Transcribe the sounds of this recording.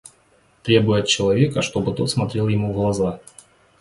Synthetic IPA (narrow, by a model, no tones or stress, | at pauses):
t̪ɾʲe̞bʊjʊɐt̪̚t͡ɕɪlˠɐvʲe̞kəʂt̪o̞bɨt̪o̞t̪smɐt̪ɾʲelˠjɪmuvɡlˠɐza